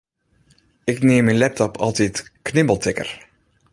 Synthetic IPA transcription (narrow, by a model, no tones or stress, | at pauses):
ɪkneːmɛnlɛp̚tɔpʰɑlˠtɛtknɪmbəlˠtɪkə̰r